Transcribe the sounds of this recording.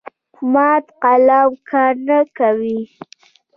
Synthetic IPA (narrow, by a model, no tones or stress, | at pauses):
mɑt̪qalawkʰɑɾnakawi